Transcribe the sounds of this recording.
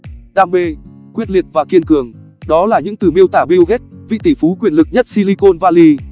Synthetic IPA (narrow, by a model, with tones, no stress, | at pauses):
ɗaː˧mɓe˧ | kwi˦˥t̚li˨˩ət̚vaː˨˩ki˧ənkɨ˨˩əŋ | ɗɔ˨˦laː˨˩ɲɨ̰˧˥ŋt̪ɨ˨˩mi˧əwt̪aː˧˩ɓi˧əwɣɛ˦˥t̚vḭ˧˨t̪i˧˩fu˨˦kwi˨˩ənlɨ˨˩k̚ɲə˦˥t̚si˧li˧ko˧nvaː˧li˧